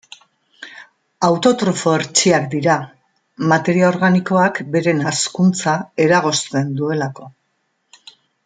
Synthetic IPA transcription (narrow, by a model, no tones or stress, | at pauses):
awt̪o̞t̪ɾo̞fo̞eɾt͡ʃiakd̪iɾa | mat̪e̞ɾiao̞ɾɣaniko̞akbe̞ɾe̞naskunt͡sae̞ɾaɣ̞o̞st̪e̞nd̪ue̞lako̞